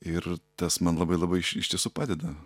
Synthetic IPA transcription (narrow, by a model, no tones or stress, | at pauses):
ɪrt̪ɐsmɐnlˠɐbɐɪlˠɐbɐɪʃɪʃt̪ʲiɛsuːpɑːd̪ʲɛd̪ɐ